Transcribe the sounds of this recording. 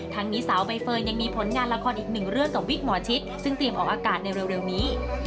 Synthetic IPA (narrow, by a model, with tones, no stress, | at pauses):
t̪ʰa˦˥ŋniː˦˥saː˩˦wba˧jfɤː˧jja˧ŋmiː˧pʰo˩˦nŋaː˧nla˧kʰɔː˧nʔiː˨˩k̚nɯ˨˩ŋɾɯ˥˩əŋt̪ɔː˨˩wi˦˥k̚mɔ˨˩˦t͡ɕʰi˦˥t̪̚sɯ˥˩ŋt̪ɾi˧əmʔɔː˨˩ʔaː˧kaː˨˩t̪̚na˧jɾe˧wɾe˧wniː˦˥